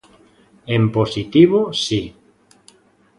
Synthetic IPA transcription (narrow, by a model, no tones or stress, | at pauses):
emposit̪iβosi